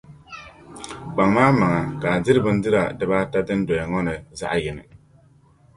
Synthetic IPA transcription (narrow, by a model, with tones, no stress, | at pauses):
k͡pa˨ŋmaː˦ma˨ŋa˨ka˨dɪ˦ɾɨ˦bɨ˦n̩˦dɨ˦ɾa˨dɨ˨baː˦ta˦dɨ˦n˦dɔ˨jɛ˨ŋɔ˦nɨ˨za̰˦ʔjɪ˨nɨ̰˨